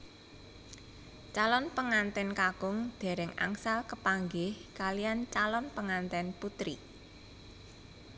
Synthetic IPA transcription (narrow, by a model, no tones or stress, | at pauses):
t͡ʃalɔnpəŋant̪ɛnkakʊŋd̪̥e̤ɾɪŋa̰ŋsalkəpaŋɡɪhkalijant͡ʃalɔnpəŋant̪ɛnput̪ɾḭ